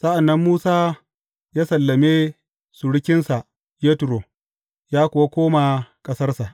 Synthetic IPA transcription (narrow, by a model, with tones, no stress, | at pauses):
sɐ˦ʔa˨nːɐ˦mːuː˦saː˦ | jaː˦sɐ˨lːɐ˨meː˦ | su˨ɽɪ˦kʲɪ˦nsa˨ʔ | je˦tʊ˨ɾo˨ | jaː˦kʷʊ˨wa˦kʷoː˦ma˨kʼɐ˦sɐ˦rsa˨ʔ